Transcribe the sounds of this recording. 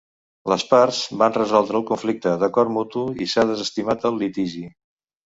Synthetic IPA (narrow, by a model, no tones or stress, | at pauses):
ləspaɾz̥banrəzɔlˠd̪ɾəːlˠkuɱflik̚t̪əðəkɔɾt̪mut̪uisaðəzəst̪imat̪əlːit̪iʒi